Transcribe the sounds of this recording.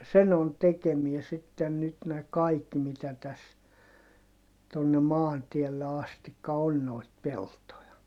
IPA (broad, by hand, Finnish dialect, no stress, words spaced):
sen on tekemiɛ sitːen nyt næ kɑik mitæ tæs tonːe mɑːntiɛlːe ɑstikːɑ on noit peltojɑ